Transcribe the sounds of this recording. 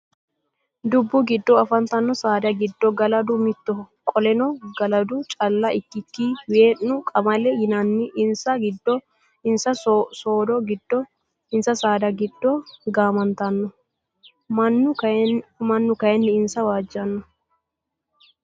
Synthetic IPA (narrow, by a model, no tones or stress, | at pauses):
d̪ʊbːʊɡɪd̪ːɔɐfɐnt̪ɐnːɔsaːd̪ɐɡɪd̪ːɔɡɐlɐd̪ʊmɪt̪ːɔ | kʼɔlɛnɔɡɐlɐd̪ʊt͡ʃʼɐlːɐʔɪkːɪkːiːweːnːʊkʼɐmɐlɛjɪnɐnːɪʔɪnsɐɡɪd̪ːɔ | ɪnsɐsoːd̪ɔɡɪd̪ːɔ | ɪnsɐsaːd̪ɐɡɪd̪ːɔɡaːmɐnt̪ɐnːɔ | mɐnːʊ | mɐnːʊkɐjɛnːɪɪnsɐwaːd͡ʒːɐnːɔ